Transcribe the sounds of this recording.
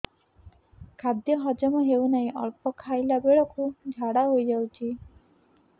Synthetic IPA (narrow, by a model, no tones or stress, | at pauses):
kʰad̪jɔɦɔd͡ʒɔmɔɦewnaĩʔɔ̰lpɔkʰajlabeɭɔkud͡ʒʱaɽaɦojd͡ʒawt͡ʃʰi